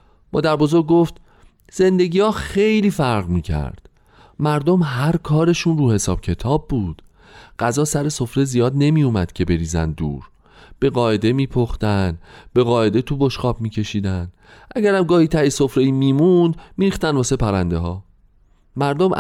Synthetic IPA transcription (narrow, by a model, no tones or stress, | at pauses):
mɒ̰ːd̪æɾbozoɾɟ̚ɡoft̪ | z̥e̞nd̪e̞ɟʲiːhɒːxejliːfæɾʁmiːcʰæ̰ɾd̪̥ | mæɾd̪o̞mɦæɾkʰɒːɾe̞ʃunruːhe̞sɒ̰ːb̥̚cʰe̞t̪ʰɒːbːuːd̪̥ | ɢ̥æzɒːsæɾe̞so̞fɾezijɒːd̪ne̞miːjumæd̪̥cʰe̞be̞ɾiːzæ̰nd̪ṵːɾ | b̥e̞ɣɒːe̞d̪e̞miːpʰoxt̪ænb̥e̞ɣɒːe̞d̪e̞t̪ʰubo̞ʃχɒːb̚miːcʰe̞ʃiːd̪æn | ʔæɟæɾæmɡɒːhiːt̪ʰæjeso̞fɾejiːmiːmund̪miːɾiːxt̪ændbɒːsepʰæɾænd̪e̞ɦɒː | mæɾd̪omʔ